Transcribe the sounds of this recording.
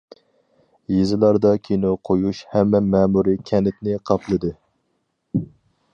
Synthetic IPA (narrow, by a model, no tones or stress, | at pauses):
jezɨlˠɑɾd̪ɑkʲʰinoqʰojuʃhɛmːɛmɛːmuɾikʲʰɛnɪt̪nɪqʰɑpʰlˠɨd̪ɨ